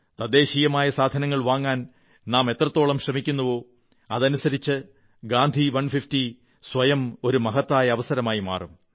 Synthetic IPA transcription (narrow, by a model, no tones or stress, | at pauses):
t̪ɐd̪e̞ːɕijɐmaːjɐsaːd̪ʱɐnɐŋːɐɭʋaːŋːaːn | naːme̞t̪rɐt̪ːo̞ːɭɐmɕrɐmikʲːunːɐʋo̞ː | ɐðɐnusɐɾit͡ɕːɨ | ɡaːnd̪ʱiʋɐnfifti | sʋɐjɐmo̞ɾumɐɦɐt̪ːaːjɐɐʋɐsɐɾɐmaːjima̰ːrum